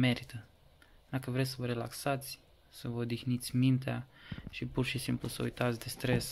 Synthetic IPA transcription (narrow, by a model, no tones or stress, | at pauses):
mɛɾit̪ə | nakəvɾɛsəvəɾelaksat̪sʲ | səvəɔd̪ixnit̪sʲmint̪aʃipuɾʃisimplusəɔ̰jt̪at̪sʲd̪est̪ɾes